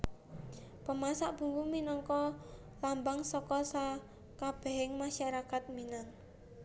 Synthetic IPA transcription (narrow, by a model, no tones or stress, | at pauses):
pəmasaʔb̥ṳŋɡuminɔŋkɔ | lambaŋsɔkɔsa | kab̥ɛ̤ɦɪŋmaʃaɾakat̪̚minan